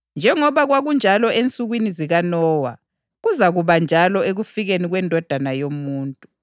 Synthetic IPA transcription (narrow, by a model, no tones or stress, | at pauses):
nd͡ʒʱɛŋɔβaɣwaɣund͡ʒʱalɔʔent͡sʼuɣwiniziɣanɔːwa̰ | ɣuzaɣuβand͡ʒʱalɔeɣufiɣeniɣwɛndʱɔd̥ʱanajomuːntʼu